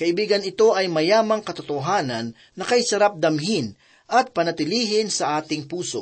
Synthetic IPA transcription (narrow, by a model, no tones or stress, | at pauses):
kɐʔɪbiːɡɐnɪt̪o̞ʔɐjmɐjaːmɐŋkɐt̪ot̪oɦaːnɐnːɐkɐjsɐɾap̚d̪ɐmɦɪn | ʔɐt̪̚pɐnɐt̪ɪliːɦɪnsɐʔaːt̪ɪŋpuːso̞̰